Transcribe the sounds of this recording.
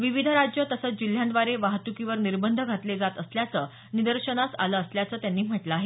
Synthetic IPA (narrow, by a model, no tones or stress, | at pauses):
ʋiʋid̪ʱəɾad͡ʑjət̪əsət͡sd͡ʑil̤ːjãnd̪ʋaɾeʋaɦt̪ukiʋəɾniɾbənd̪ʱəɡʱat̪led͡zat̪əsljat͡səː | nid̪əɾɕəɳasa̰ləːsljat͡səːt̪janːiːm̤əʈləaɦe